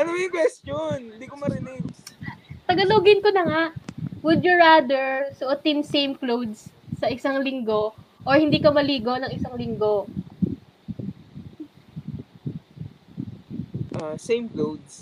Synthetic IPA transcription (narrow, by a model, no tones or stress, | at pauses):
ʔɐnɐmjʊŋkwɛst̪onɪnd̪iːkomɐɾɪnɪd | t̪ɐɡɐloɡɪnkonɐŋaʔwʊd̪jʊɹaːd̪ɛɹsʊʔʊt̪ɪmsejmklowd̪sː | ɐʔɪsaŋlɪŋɡoʔoɹhɪnd̪iːkɐmɐliːɡonɐŋʔɪsaŋlɪŋɡo̞ | ʔasejmklowd̪̚s